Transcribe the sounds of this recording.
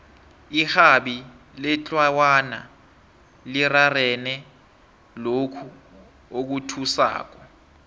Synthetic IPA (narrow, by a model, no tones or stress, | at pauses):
ihaɓi | lɛt͡ɬʼwawana̰ | lirarɛnɛ | lokʰu | ok̬utʰusa̰ːk̬ɔ